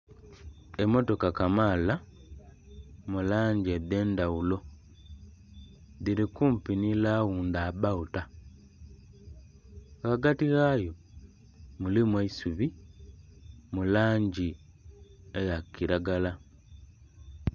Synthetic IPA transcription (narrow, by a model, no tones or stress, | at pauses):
emoto̞kakamaːla | mulaːɲɟiede̞ːndawulo̞ | ðiɾikuːmpinilaɣuːndaːbauta | ɣaɡatiɣaːjo | mulimweisuβi | mulaːɲɟi | ejakiɾaɡala